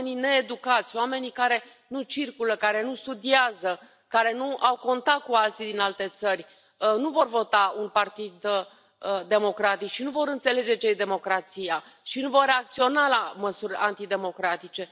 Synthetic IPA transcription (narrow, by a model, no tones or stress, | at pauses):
nine̞ːd̪ukat̪sʲwame̞nikaɾe̞ | nut͡ʃirkuləkaɾe̞nust̪ud̪iazə | kaɾe̞nuʔawko̞nt̪at̪̚kualt̪sid̪inalt̪e̞t̪sərʲ | nuvo̞rvo̞t̪aunpart̪id̪ | əd̪e̞mo̞kɾat̪ikʃinuvo̞ɾɨnt̪se̞le̞d͡ʒe̞t͡ʃejd̪e̞mo̞kɾat̪sija | ʃinuvo̞rːe̞ak̚t̪sio̞nalaməsurʲa̰nt̪id̪e̞mo̞kɾat̪it͡ʃe̞